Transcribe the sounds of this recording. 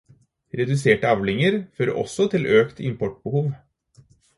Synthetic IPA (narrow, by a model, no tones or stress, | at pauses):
ɾɛd̪ʉseːʈəɑʋlɪŋəɾføːɾə̰ʔɔ̰sɔt̪ʰɪlʔøːkt̪ʰɪ̰mpʰɔʈ̚bəhuːʋ